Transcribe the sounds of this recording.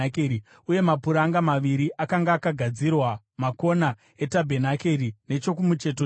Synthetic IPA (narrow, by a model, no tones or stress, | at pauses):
kːi | uje̞mapuɾaŋɡamaʋiɾiʔakaŋɡaːkaɡʱad͡zirwa | mako̞na | e̞tabʱenake̞rine̞t͡ʃo̞kumut͡ʃe̞to